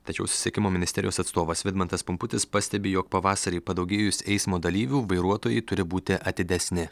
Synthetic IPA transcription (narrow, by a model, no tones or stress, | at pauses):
t̪ɐt͡ʃʲɛ̰ʊsʲʊ̥sʲiɛkʲɪmoːmʲɪnʲɪst̪ʲɛɾʲɪjoːsɐt̪st̪oːʋɐsʋʲɪd̪mɐnt̪ɐspʊmpʊt̪ʲɪspɐsʲt̪ʲɛbʲeːjoːk̚pɐʋɑːsɐɾʲiɪpɐd̪ɐʊɡʲeːjʊsʲɛɪsmoːd̪ɐlʲiːʋʲuːʋɐɪɾuɔt̪oːjɛɪt̪ʊɾʲɪbuːt̪ʲɪʔɐt̪ʲɪd̪ʲɛsʲnʲɪ